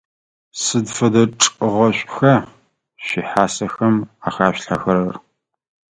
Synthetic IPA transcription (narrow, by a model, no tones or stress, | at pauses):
sɨdfɐdɐʈ͡ʂʼɨʁɐɕʷʼxɐ | ɕiħaːsɐxɐmaːxaːɕɬaxɐɾɐr